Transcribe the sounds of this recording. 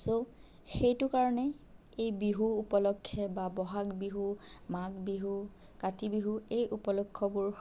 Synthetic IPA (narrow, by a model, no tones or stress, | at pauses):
so | xejtʊkaɹɔnɛ | ejbiɦuːpɔlɔkʰːɛbabɔɦakbiɦumaɡbiɦu | katibiɦuejʔupɔlɔkʰːɔbʊɹ